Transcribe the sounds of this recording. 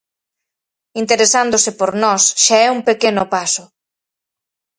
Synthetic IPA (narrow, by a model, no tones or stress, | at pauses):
int̪eɾesand̪ʊsɪpoɾnɔsʃaɛuŋpekenʊpasʊ